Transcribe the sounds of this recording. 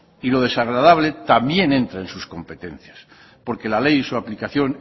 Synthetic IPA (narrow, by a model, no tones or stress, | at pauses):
ilo̞ð̞e̞saɣ̞ɾað̞aβle̞t̪ambje̞nẽ̞nt̪ɾaensusko̞mpe̞t̪e̞n̟θjas | po̞ɾke̞lale̞jisuaplikaθjo̞n